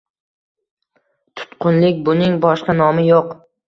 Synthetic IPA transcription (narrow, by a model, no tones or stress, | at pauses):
t̪ʰʊ̥t̪qʰʊnlɪkʲbʊnɪŋbɒʃqɑnɒmɪjoq